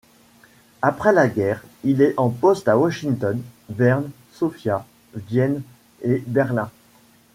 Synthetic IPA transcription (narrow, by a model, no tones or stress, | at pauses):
apχɛlaɡʲɛːʁilɛʔɑ̃pɔst̪awaʃĩŋt̪ɔnvɛʁn | sɔfja | vjɛn | ebɛʁlɛ̃